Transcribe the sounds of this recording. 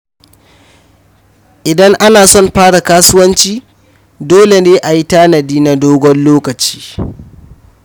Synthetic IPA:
ʔɪ˨dɐ˦ŋʔa˦naː˨sɔ˦˨mɸaː˦ɽa˨kaː˦sʊ˦wɐ˦nt͡ʃiː˦ | doː˦le˨neː˦ʔa˨ji˦taː˦nɐ˨diː˦na˦doː˦ɡʷɔ˦nloː˦kɐ˨t͡ʃi̥ː˦

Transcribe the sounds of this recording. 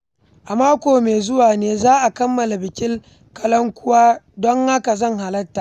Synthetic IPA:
ʔa˨maː˦kʷoː˨meː˨zʊ˦waː˨neː˦zaː˦ʔa˨kɐ˦mːɐ˨la˨bɪ˨kʲɪ˦l | kɐ˦lɔ˦ŋkʷʊ˦waː˦dɔ˦ŋha˦ka˨zɐ˦˨ŋɦa˨lɐ˦tːa˨ʔ

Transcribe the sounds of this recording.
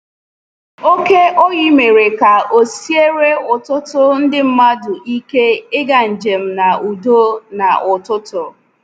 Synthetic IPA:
o˦ke˦ʔo˦ɣɪ˦me˨ɾe˨ka˨o˨si˦e˦ɾe˦ʊ˨tʊ˦tʊ˦n̩˦dɪ˦m̩˦ma˦dʊ˨ʔi˦ke˦ɪ˦ɡa˨n̩˨d͡ʒe˨m̩˦na˨u˨do˦na˨ʔʊ˨tʊ˦tʊ˨

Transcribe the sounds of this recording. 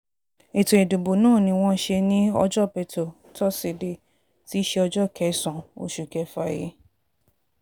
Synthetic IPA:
e˨to˨e˨du˨bo˨nãː˦˨nĩ˧w̃ɔ̃˦ʃe˧nĩ˦ɔ˧d͡ʒɔ˦˨pɛ˧tɔ˨ | tɔ˦si˧˨de˧ | ti˦ʃe˧ɔ˧d͡ʒɔ˦˨kɛ˨˦sã˨o̰˨ʃu˨kɛ˨˦fa˧˨je˧˦

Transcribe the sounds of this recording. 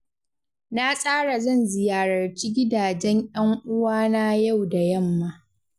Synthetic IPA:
na˦sʼaː˦ɽa˨zɐ˦˨nzɪ˨jaː˦ɽɐ˨rt͡ʃiː˦ɡʲɪ˦daː˨d͡ʒɛ˦ɲʔjɐ˦ŋʔʊ˦waː˦na˦ja˦˨wda˨jɐ˦˨mːa˦

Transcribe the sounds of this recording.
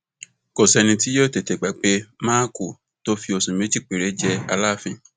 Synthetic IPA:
ko˨sɛ˧nĩ˧ti˦jo˦˨te˨te˨ɡ͡ba˨k͡pe˧˦ma˦ku˦˨ | to˦fi˧o˧sũ˨mẽ˨˦d͡ʒi˦˨k͡pe˨ɾe˨˦d͡ʒɛ˧a˧la˦˨fĩ˧˦

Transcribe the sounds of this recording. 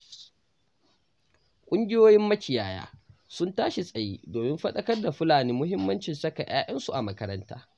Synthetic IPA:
kʷʼʊ˦ŋɡʲɪ˦joː˦jɪ˦mːɐ˦kʲɪ˨jaː˦˨ja̰ː˦sʊ˦ntaː˦ʃi˨sʼɐ˨jḭː˦doː˨mɪ˦mɸɐ˦ɗɐ˦kɐ˦rda˨ɸʊ˦laː˨niː˦mʊ˦ɦɪ˦mːɐ˦nt͡ʃɪ˨nsɐ˦ka˨j̰a̰ː˦jʔɐ˦nsu˨ʔa˨mɐ˦kɐ˦ɾɐ˦nta̰ː˦

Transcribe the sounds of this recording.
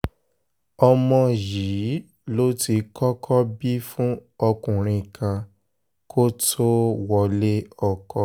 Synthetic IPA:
ɔ˧mɔ̃˧ji˨˦ | lo˦ti˧kɔ˦kʰɔ˦bi˦fũ˦ɔ˧kũ˨ɾ̃ĩ˧˨kã˧ | kʰo˦tʰo˦wɔ˧le˦ɔ˧˨kɔ˧˨

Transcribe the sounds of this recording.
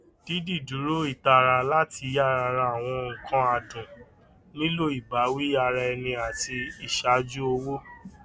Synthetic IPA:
d̥i˨˦di˦˨du˨˦ɾo˦i˦˨ta˧ɾa˧la˦tʰi˧˦ja˦˨ɾa˧ɾa˧a˨w̃ɔ̃˧ŋ̩˨˧kʰã˦a˧dũ˨ | nĩ˦lo˦i˨ba˨˦wi˦a˧ɾa˧ɛ˧nĩ˧a˨ti˧i˦˨ʃa˨˦d͡ʒu˦o˧wo˦

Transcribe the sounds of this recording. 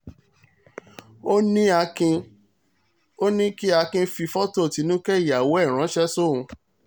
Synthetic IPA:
o˦nĩ˦a˧kĩ˧ | o˦nĩ˦ki˦a˧kĩ˧fi˧fɔ˦to˦˨ti˨˧˦nũ˦kɛ˦i˨ja˨wo˨˦ɛ˦˨ɾ̃ã˨˦ʃɛ˦so˦˨ũ˧

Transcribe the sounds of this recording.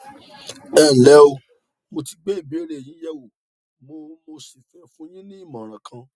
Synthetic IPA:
ɛ˦˨n̩˨lɛ˨˦o˧ | mo˧ti˧ɡ͡be˦˨bi˨˦o˦ɾe˨jĩ˨˦jɛ˦wu˨ | mo˧˦mo˧si˨fɛ˧˦fũ˦jĩ˦nĩ˦i˦˨mã˨ɾ̃ã˨kʰã˧

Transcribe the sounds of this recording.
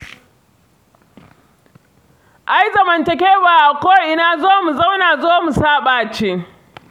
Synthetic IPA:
ʔa˨jzɐ˨mɐ˨ntɐ˨k̬ʲeː˦baː˨ʔa˨koː˦ʔɪ˦naː˦zoː˦mu˨za˦wnaː˨zoː˦mu˨saː˦ɓaː˨t͡ʃe˦

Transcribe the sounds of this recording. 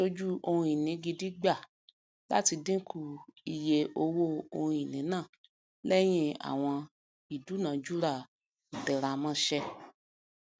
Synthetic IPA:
o˧d͡ʒu˦ʔo˧hũ˧i˨nĩ˨˦ɡi˧di˦ɡ͡ba˦˨ | la̰˦ti˧dĩ˦kʰu˧˨i˨je˧ʔo˧wo˦o˧hũ˧i˨nĩ˨˦nãː˦˨ | lɛ˦j̃ĩ˧a̰˨w̃ɔ̃˧ | i˨du˨˦nã˨˦d͡ʒu˦ɾa˦˨ | dɛ˨ɾa˧˨mã˦ʃɛ˦

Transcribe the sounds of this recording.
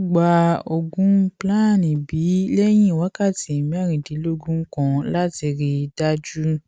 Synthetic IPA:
ɡ͡ba˧o˧ɡũ˨˦plã˦˨nĩ˨bi˨˦lɛ˦j̃ĩ˦˨wa˨˦ka˦˨ti˨mĩ˨˦a˦˨ɾ̃ĩ˨di˨˦lo˦ɡũ˦kã˧la˦ti˧ɾi˧da˦d͡ʒu˦

